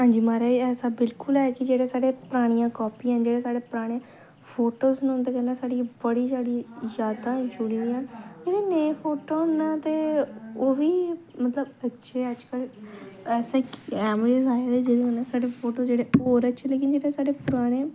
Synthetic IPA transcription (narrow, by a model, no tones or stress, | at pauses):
ɦãːɲd͡ʒiːmaːɾeːɛːsaːbɪlkʊlɛːkɪd͡ʒeːɽeːsaːɽeːpəɾaːɽ̃ijãːkɔːpiːãːnd͡ʒeːɽeːsaːɽeːpəɾaːɽ̃eː | pʰoːʈoːznũnt̪eːkɛ̃ːnaːsaːɖiːbəɽiːzjaːɽiːzjaːd̪aːd͡ʒʊɽĩd̪iːaːnd͡ʒeːɽeːnẽːpʰoːʈoːɦʊnːaːt̪eːoːʋiːmət̪ləbətːʃʰeːəd͡ʒkəlɛːsaːkiɛːməd͡ʒezaːeːd̪eːd͡ʒeːɽeːɦʊnaːsaːɖeːpʰoːʈoːd͡ʒeːɽeːoːɾətːʃʰeːleːkɪnd͡ʒeːɽeːsaːɖeːpʊɾaːɽ̃ẽː